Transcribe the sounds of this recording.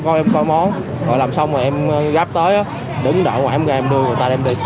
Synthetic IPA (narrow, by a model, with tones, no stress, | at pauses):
kɔ˧ʔɛ˧mkɔ˧jmɔ˨˦n | ɣɔ̰˨˩jlaː˨˩msa˧wmaəː˨˩ʔɛ˧m˧ɣaː˦˥p̚t̪əː˨˦jʔaː˨˦ | ɗɨ˨˦ŋɗə̰ː˧˩ŋwaː˨˩ʔɛ˧mɣaː˨˩mɗɨ˧əŋɨ˨˩jt̪aː˧ɛ˧mɗi˧